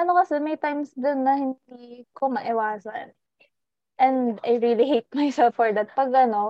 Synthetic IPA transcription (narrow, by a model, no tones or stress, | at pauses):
ʔɐno̞kɐsɛmɐjt̪ajmsd̪onːɐhɪnd̪ikomɐʔɪwaːsɐ̰n | ʔɛ̃nd̪ajɹiliɦejt̪̚majsɛlfːɔɹd̪at̪̚pɐɡʔɐno̞